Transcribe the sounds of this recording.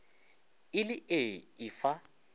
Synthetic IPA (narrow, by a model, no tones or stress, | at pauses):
ɪlɪʔeɪfa